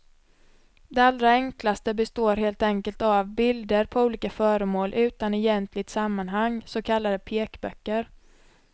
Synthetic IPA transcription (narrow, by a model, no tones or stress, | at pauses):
d̪ɛald̪ɾaɛŋklast̪əbɛst̪oːɾɦeːlt̪ɛŋkəlt̪avbɪld̪əɾpʰɔuːliːkafœːɾəmoːlʔʉ̟ːt̪anɛjɛnt̪ʰlɪt̪samːanɦaŋːsɔkʰalːad̪əpʰeːkbœ̰kːəɾ